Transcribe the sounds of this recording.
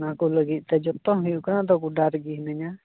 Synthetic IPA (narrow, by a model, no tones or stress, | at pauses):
nãkuləɡit̪̚ˀt̪ɛd͡ʒɔt̪ɔ̃ɦujukɾãd̪ɔkuɖaɾɡiɦnəɲa